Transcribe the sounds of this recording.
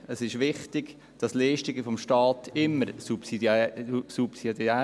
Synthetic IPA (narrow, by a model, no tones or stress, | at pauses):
əsɪʃʋɪχtɪɡ̥ | d̥ɑsleːʃtɪɡəfɔmʃtɑːtʰɪmːəɾsupsidsupsidæ